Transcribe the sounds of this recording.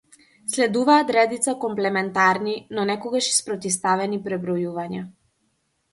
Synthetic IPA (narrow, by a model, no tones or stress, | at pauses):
slɛd̪uvaːt̪ɾɛd̪it̪sakɔmplɛmɛnt̪aɾninɔnɛkɔɡaʃi̥spɾɔt̪ist̪avɛnipɾɛbɾɔjuvaɲa